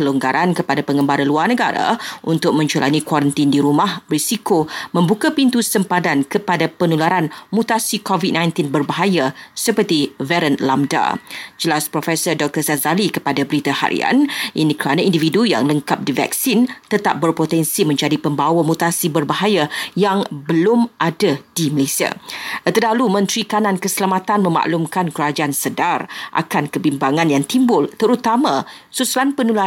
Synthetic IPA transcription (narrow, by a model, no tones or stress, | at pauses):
kəluŋɡaɾʔankəpadapəŋəmbaɾaluarnəɡaɾa̰ʔunt̪ʊk̚mə̃ɲt͡ʃualʔa̰nikwaɾənt̪indiɾumãhbɾisikomə̃mbukapint̪usəmpadankəpadapənulaɾanmut̪asikovit̚nãjnt̪inbərbaɦajasəpərt̪ivɛɾənlamda̰d͡ʒəlaspɾofɛsərdɔk̚t̪ərsazalikəpadabɾit̪aha̰ɾḭa̰nʔinikəɾanãindividuja̰ŋləŋkap̚diva̰k̚sint̪ət̪a̰p̚bərpot̪ɛnsimə̃ɲd͡ʒadipəmbawamut̪asibərbaɦajajaŋbəlʊmʔadad̥iməlesia̰t̪ədalumə̃nt̪ɾikanãnkəsəlamat̪anmə̃ma̰ʔlumkankəɾad͡ʒaansədarʔa̰kankəbimbaŋãnjaŋt̪imbʊlt̪əɾut̪amã | susulanpənula